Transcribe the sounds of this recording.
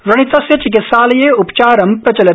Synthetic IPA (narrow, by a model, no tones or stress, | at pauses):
ʋɾɐɽ̃it̪ɐset͡ʃɡɪsaːljeʊpt͡ʃaːɾɐ̃mpɐt͡ʃɐlɐ